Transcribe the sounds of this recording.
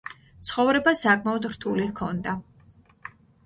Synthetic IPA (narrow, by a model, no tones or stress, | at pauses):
t̪sʰχɔvɾɛbasakʼmaɔd̪ɾt̪ʰulikʰɔnd̪a